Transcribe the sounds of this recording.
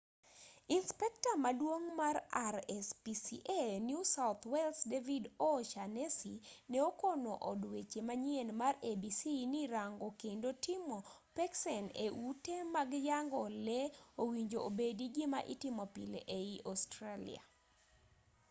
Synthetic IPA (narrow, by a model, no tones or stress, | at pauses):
inspɛk̚tamadwoŋmaraɾɛspisḭʔenjusaʊt̪ʰwɛlsdevidoʃanesinɛokonoʔɔdwet͡ʃemaɲienmarebisiniɾaŋɡokendotɪmɔpɛksɛnḛʔutemaɡjaŋɡɔlɛowiɲd͡ʒoobediɡɪmaʔḭtɪmɔpḭleʔeiʔɔstɾalḭa̰